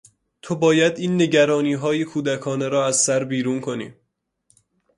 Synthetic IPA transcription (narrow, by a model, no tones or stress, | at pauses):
t̪ʰobɒːjæd̪iːnːe̞ɟæɾɒːniːɦɒːjekʰuːd̪ækʰɒːneɾɒːæzsæɾbiːɾuːnkʰo̞nḭː